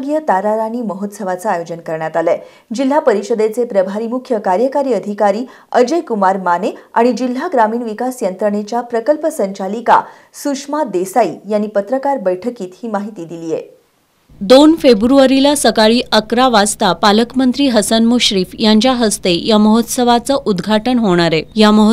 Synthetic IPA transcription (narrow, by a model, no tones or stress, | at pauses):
ɡjət̪aɾaɾaniːməɦot̪səʋat͡saajod͡ʑənkəɾɳjat̪alɛ | d͡ʑil̤ːapəɾiɕəd̪et͡sepɾəbʱaɾiːmukʰjəkaɾjəkaɾiːəd̪ʱikaɾiː | əd͡ʑəjkumaɾmanea̰ɽ̃id͡ʑil̤ːaɡɾamiːɳʋikasjənt̪ɾəɳet͡ɕjapɾəkəlpəsəɲt͡ɕalika̰ | sukʂmad̪esaijanːiːpət̪ɾəkaɾbəjʈʰəkiːt̪hiːmaɦit̪iːd̪iliːjḛ | d̪onfebɾuʋaɾilasəkaɭiːʔəkɾaʋad͡zt̪apaləkmənt̪ɾiːɦəsənmuɕɾiːfjaɲt͡ɕjaɦəst̪ejaməɦot̪səʋat͡səʔud̪ɡʱaʈənɦoɽ̃aɾejaməɦ